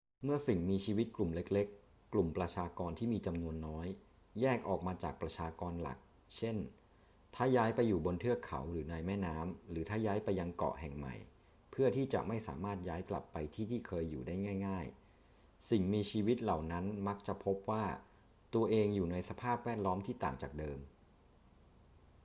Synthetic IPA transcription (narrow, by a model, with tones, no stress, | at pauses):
mɯ˥˩ɐsi˨˩ŋmiː˧t͡ɕʰiː˧wi˦˥t̪̚klu˨˩mle˦˥k̚le˦˥kː | lu˨˩mpɾa˧t͡ɕʰaː˧kɔː˧nt̪ʰiː˥˩miː˧t͡ɕa˧mnu˧ənːɔː˦˥jː | ɛː˥˩k̚ʔɔː˨˩k̚maː˧t͡ɕa̰ː˨˩k̚pɾa˧t͡ɕʰaː˧kɔː˧nla̰˨˩k̚ | t͡ɕʰe˥˩n | t̪ʰaː˥˩jaː˦˥jpa˧jːuː˨˩bo˧nt̪ʰɯ˥˩ɐkʰa̰˨˩˦wɾɯː˩˦na˧jmɛː˥˩naː˦˥mɾɯː˩˦t̪ʰaː˥˩jaː˦˥jpa˧jːa˧ŋkɔ̰˨˩ʔhɛ˨˩ŋma̰˨˩j | pʰɯ˥˩ɐt̪ʰiː˥˩t͡ɕa̰˨˩ʔma˥˩jsa̰ː˩˦maː˥˩t̪̚jaː˦˥jkla̰˨˩pːa˧jt̪ʰiː˥˩t̪ʰiː˥˩kʰɤː˧jːuː˨˩daː˥˩jŋaː˥˩jŋaː˥˩j | si˨˩ŋmiː˧t͡ɕʰiː˧wi˦˥t̪̚la˨˩wna˦˥nma˦˥k̚t͡ɕa˨˩pʰo˦˥p̚waː˥˩ | t̪u˧ɐʔeː˧ŋjuː˨˩na˧jsa˧pʰaː˥˩p̚wɛː˥˩t̪̚lɔː˦˥mt̪ʰiː˥˩t̪a̰ː˨˩ŋt͡ɕaː˨˩k̚dɤː˧m